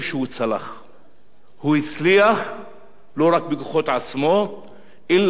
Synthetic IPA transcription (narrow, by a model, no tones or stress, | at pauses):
ʃehut͡sala̰χ | huit͡sliaχ | lo̞ʁak̚beku̥χo̞t̪ʕat͡smo̞ | ʔilː